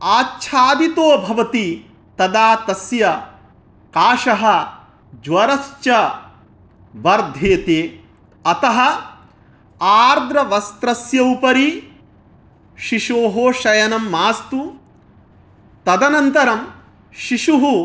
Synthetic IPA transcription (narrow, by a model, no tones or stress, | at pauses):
aːtːt͡ʃʰaːd̪it̪oːbʱɐʋɐt̪i | t̪ɐd̪aːt̪ɐsjɐ | kaːʃɐɦɐ̆ | d͡ʒʋɐɾɐst͡ʃɐ | ʋɐɾd̪ʱeːt̪eː | ɐt̪ɐɦɐ̆ | aːɾd̪ɾɐʋɐst̪ɾɐsjɐupɐɾi | ʃiʃoːɦoːʃɐjɐnɐmːaːst̪u | t̪ɐd̪ɐnɐnt̪ɐɾɐm | ʃiʂuɦu